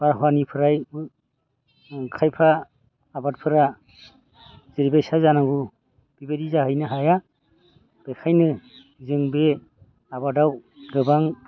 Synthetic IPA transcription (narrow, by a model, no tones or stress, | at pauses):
b̥aɾɦwanipʰɯɾajmɯ | kʰajpʰaː | bat̚pʰɯɾa | z̥iɾibajsazanaɡu | b̥ibeɾizahɯjnɯɦaja | b̥ekʰajnɯ | zɯŋbe | abadawɡɯbaŋ